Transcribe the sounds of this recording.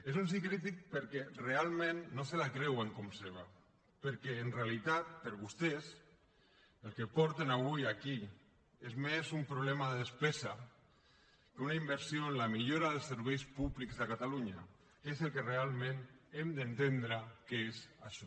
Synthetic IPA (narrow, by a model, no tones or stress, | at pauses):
esuns̬ikɾit̪̬ik̚pəɾkɛrealˠmẽnːoselakɾɛweŋkɔmseβ̞a | pəɾkɛːnrealit̪at̪̚pəɾβust̪es | əlˠkepɔɾt̪enaβujaki | ezmezumpɾuβlɛmaðespesa | keunaimbəɾsioenlamiʎoɾaðəlˠsəɾβ̞ɛjspuβlikzðəkat̪aluɲa | ezelˠkerealˠmẽnemd̪ənt̪end̪ɾakeeza̰ʃɔ